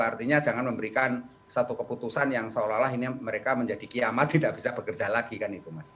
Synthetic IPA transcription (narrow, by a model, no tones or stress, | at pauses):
art̪iɲad͡ʒaŋanməmbəɾikan | sat̪ukəput̪usanjaŋsaolalaɦiniməɾekaməɲd͡ʒadikiamat̪ːidaʔb̥isab̥əkərd͡ʒalaɡikanit̪umas